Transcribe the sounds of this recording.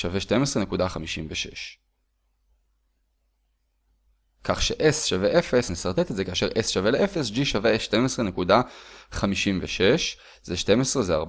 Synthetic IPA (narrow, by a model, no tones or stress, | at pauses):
ʃaveʃte̞mesʁene̞kud̪aχamiʃimveʃḛʃ | kʰaχʃeʔesʃaveʔefe̞snesaʁt̪et̪etze̞kaʃeʁʔesʃaveleʔefesd͡ʒiʃaveʃte̞mesʁe̞nekudaχamiʃimveʃe̞ʃ | zeʃte̞mesʁezeaʁb